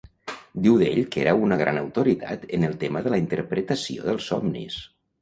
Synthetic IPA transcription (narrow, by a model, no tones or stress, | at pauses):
d̪iwðeʎkeɾəunəɣ̞ɾa̰nəwt̪uɾit̪a̰t̪ənəlˠt̪eməðələint̪əɾpɾət̪əsio̰ðəlˠsɔmnḭs